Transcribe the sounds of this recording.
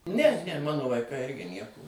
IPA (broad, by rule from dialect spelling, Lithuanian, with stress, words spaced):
nʲɛ nʲɛ ˈmɑːnoː ʋɐɪˈkɐɪ ˈɪrʲɡʲɪ ˈnʲiɛkoː